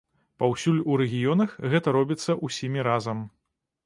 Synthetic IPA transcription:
pawsʲulʲuɾɛɣʲijɔnɐxɣɛt̪ɐɾɔbʲit̪sːɐʔusʲimʲiɾazɐm

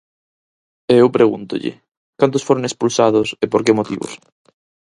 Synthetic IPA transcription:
eewpɾeɣunt̪ʊ̰ʎɪ̰ | kant̪ʊsfoɾoŋespulsað̞ʊsepoɾkemot̪ḭβʊ̰s

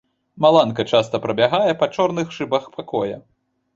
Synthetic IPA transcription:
malˠankɐt͡ʂast̪ɐpɾɐbʲaɣajɛpɐt͡ʂɔrnɨxʂɨbɐxpʰakɔjɐ̰

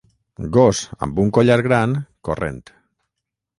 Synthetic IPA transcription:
ɡosa̰mbuŋkoʎaɾɣɾaŋkorḛnt̪

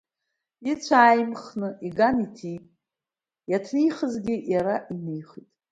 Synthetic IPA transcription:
it͡ɕʷʰaːjmχnɨiɡanitʰijʼ | jatʰnijχəzɡʲɪjaɾaʔinejχitʼ

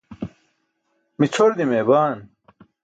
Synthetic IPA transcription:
mit͡sʰoɾd̪imeːbaːn

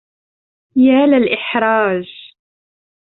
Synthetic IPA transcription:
jæːlælʔɪħɾˤɑːʒ

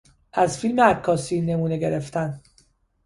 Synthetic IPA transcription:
ʔæzfilmeækʰːɒːsiːne̞muːne̞ɡe̞ɾeft̪æn

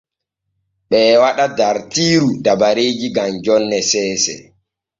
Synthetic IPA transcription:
ɓɛːwaɗadaɾtiːɾudabaɾeːd͡ʒiɡamd͡ʒɔnːɛsɛːsɛ̰

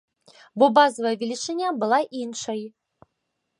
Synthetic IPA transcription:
bɔbazɐvɐjəvʲilʲit͡ʂɛnʲabɨlˠaʔinʂɐj

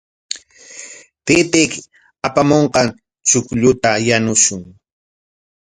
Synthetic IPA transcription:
t̪et̪ek | apamoɴqɑn | t͡ʃʊkʎʊt̪ajanʊʃʊŋ

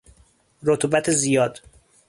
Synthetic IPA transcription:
ɾot̪ʰubæt̪ʰezijɒːd̪̥

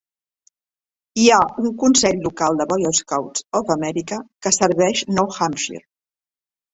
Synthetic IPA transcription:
iauŋkunsɛʎlukalˠd̪əβɔjoskawtsɔfəmɛɾikəkəsəɾβɛʃnɔwxamʃḭɾ

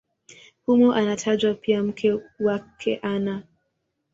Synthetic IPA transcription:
humuʔanatʰad͡ʒwapiam̩kʰɛwakʰɛʔana

